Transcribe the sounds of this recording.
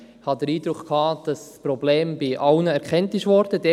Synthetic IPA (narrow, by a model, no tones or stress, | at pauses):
hɑd̥əɾiːd̥ɾʊkχkhɑːd̥ɑspɾɔbleːmbɪʔɑwnəɛɾkʰɛntnɪʃʋɔɾd̥əd̥ɛ